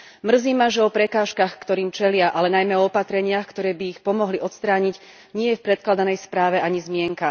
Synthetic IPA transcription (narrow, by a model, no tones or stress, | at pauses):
mr̩ziːmaʒɛɔpɾɛkaːʃkaxkt̪ɔɾiːmt͡ʃɛlɪaʔalɛnajmɛɔɔpat̪ɾɛɲɪaxkt̪ɔɾɛːbiːxpɔmɔɦliʔɔt̪st̪ɾaːɲiɟ | ɲɪɛjɛfpɾɛt̪̚klad̪anɛjspɾaːʋɛʔaɲizmɪɛŋka